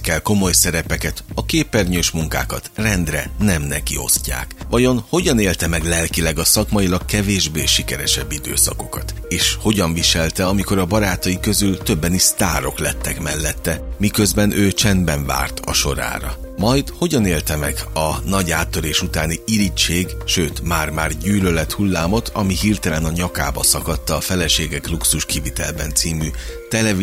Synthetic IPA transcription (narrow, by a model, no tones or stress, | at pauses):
kɛlko̞mo̞jsɛɾɛpɛkɛt̪ɒkeːpɛrɲøːʃmuŋka̰ːkɒt̪rɛnd̪rɛnɛmnɛkḭo̞̰scːa̰ːkʋɒjo̞nho̞ɟɒneːlt̪ɛmɛɡlɛlkilɛɡɒsɒkmɒjilɒkkɛveːʒbeːʃikɛɾɛʃɛbːid̪ø̰ːsɒko̞kɒt̪eːʃho̞ɟɒɱviʃɛlt̪ɛɒmiko̞ɾɒbɒɾaːt̪ɒjikø̞zylt̪ø̞bːɛnist̪aːɾo̞klɛt̪ːɛkmɛlːɛt̪ːɛmikø̞zbɛnʔøːt͡ʃɛnbɛɱva̰ːrt̪ʰɒ̰ʃo̞̰ɾa̰ːɾɒ̰ | mɒjt̪ho̞ɟɒneːlt̪ɛmɛɡɒnɒɟaːt̪ːø̞ɾeːʃut̪aːniilit͡ʃeːɡʃøːt̪maːrmaːrɟyːlølɛt̪hulːaːmo̞t̪ʰɒmiɦiːrt̪ɛlɛnɒɲɒka̰ːbɒ̰sɒkɒt̪ːɒːfɛlɛʃeːɡɛkluksuʃkivit̪ɛ̰lbɛ̰nt̪siːmyt̪ɛlɛvi